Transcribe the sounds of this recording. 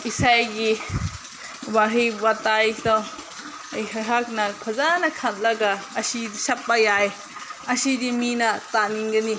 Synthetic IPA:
isajɡi | baɦibatajdaw | ɐjɦɐɦak̚nɐkʰɐzanɐkʰat̚lɐɡɐɐsidisɐp̚ːajaj | ɐsidiminɐtaniŋɡɐni

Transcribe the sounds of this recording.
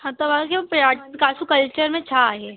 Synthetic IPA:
ɦãt̪oʋakepaʈkaːsukɐlt͡ʃəɾmẽt͡ʃʰaɦɛ

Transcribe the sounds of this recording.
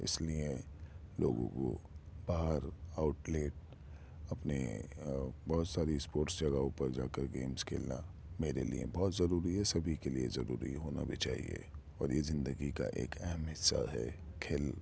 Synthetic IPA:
ɪ̰slie | lo̰ːɡõ̰ko̰b̥aːɦəɾaːʊʈleːʈ̚ | ɐpnḛ | bɔːt̪saːɾispoːɾʈsd͡ʒɐɡaʊpəɾd͡ʒaːkəɾɡeːmskʰḛːlna̰ | meːɾelḭḛbɔːt̪zɐɾuːɾiɦɛsɐbʱikeliezɐɾṵːɾḭɦoːna̰bʱit͡ʃaːɦḭḛ | ɔːɾjezɪ̃nd̪əɡika̰ʔeːkʰɛɦɛmɦɪsa̰ɦɛ̰kʰeːl

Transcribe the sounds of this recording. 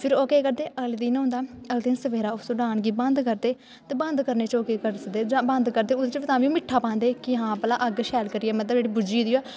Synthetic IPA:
pʰɪɾoːkeːkəɾd̪eːʔəld̪iːnɦʊ̃nd̪aːəld̪iːnsəʋeːɾaːʊsʊɖaːɳɡiːbə̃nd̪kəɾd̪eː | t̪eːbə̃nd̪kəɾneːt͡ʃoːkeːkəɾsəd̪eːd͡ʒãːbə̃nd̪kəɾd̪eːʊst͡ʃəʋt̪ãːʋĩːũːmɪʈʰːaːpãːnd̪eːkɪɦãːpəlaːʔəɡʃɛːlkəɾiːɛːmət̪ləbd͡ʒeːɽiːbʊd͡ʒiːd̪iːɛː

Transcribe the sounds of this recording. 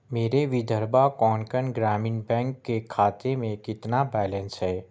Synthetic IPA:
meːɾeʋɪd̪ʱəɾbakɔːnkənɡɾaːmɪnbɛ̃ːŋkːekʰaːt̪emẽkɪt̪nabɛːlə̃nsɦɛː

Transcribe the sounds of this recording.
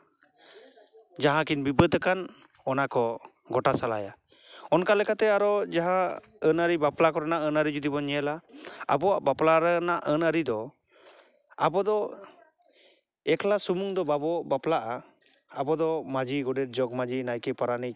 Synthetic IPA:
d͡ʒaɦãkinbibəd̪əkan | ɔnakɔ | ɡɔʈasala̰ja | ɔnkalɛkat̪ɛaɾɔd͡ʒaɦã | ənəɾibaplakɔɾanaʔənəɾid͡ʒud̪ibɔɲɛɛlaa̰bɔwaʔbaplaɾənaʔənəɾid̪ɔ | abɔd̪ɔ | ɛklasumuŋd̪ɔbabɔbaplaʔaː | bɔd̪ɔmad͡ʒiɡɔɖɛɾ̚d͡ʒɔɡmad͡ʒinajkɛpaɾani

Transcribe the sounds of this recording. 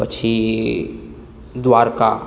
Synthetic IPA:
ət͡ʃʰi | d̪waːɾka

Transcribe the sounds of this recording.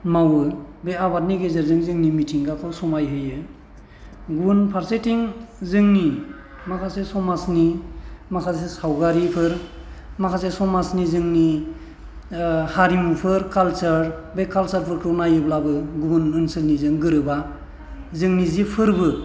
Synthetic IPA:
mawɯbeabat̚niɡezeɾzɯŋzɯŋnimitʰiŋɡakʰɯwsɔmajɦɯjɯ | ɡunpʰaɾsetʰiŋzɯŋni | makʰasesɔmasnimakʰas̬esawɡaɾipʰɯɾ | makʰasesɔmasnizɯŋni | haɾimupʰɯɾkalsɯɾbekʰalsaɾpʰɯɾkʰɯnajɯblabɯɡunɯnsɯlnizɯŋɡɯɾɯba | zɯŋnizipʰɯɾbɯ

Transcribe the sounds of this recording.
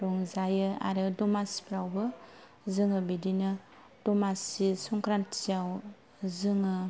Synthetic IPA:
ɾɔŋzajɯa̰ɾɯdɔmasi̥pɾawbɯ | zɯŋɯbidinɯ | d̥ɔmasisɔŋkɾantijaw | zɯŋɯ

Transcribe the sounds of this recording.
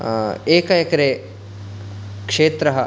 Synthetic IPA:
eːkɐjɐkɐɾe | kʂeːt̪ɾɐɦɐ

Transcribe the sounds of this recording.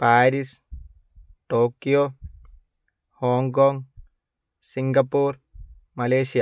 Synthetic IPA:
paːɾis | ʈoːkːijoː | hoːŋkoːŋɡ | siŋɡɐpːuːɾ | mɐleːʃija

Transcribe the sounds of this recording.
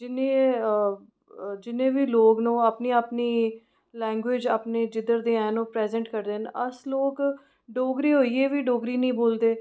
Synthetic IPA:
d͡ʒɪnẽː | d͡ʒɪnẽːʋiːloːɡnũːaːpniːaːpniː | lɛ̃ːŋɡʋeːd͡ʒaːpneːd͡ʒɪd̪əɾd̪eːɛ̃ːnõːpɾɛːzɛ̃ɳʈkəɾd̪eːnəsloːk | ɖoːɡɾiːɦoːiːeːʋiːɖoːɡɾiːnəĩːboːld̪eː

